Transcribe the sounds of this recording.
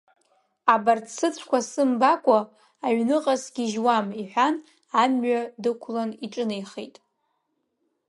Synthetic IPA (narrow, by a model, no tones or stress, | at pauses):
abartsʰɨt͡sʷʰkʷasɨmbakʷʼa | aɥnɨqʼasɡʲiʒwamiħʷᶣan | amɥadɨkʷʰlaniʈ͡ʂʼɨnejχejtʼ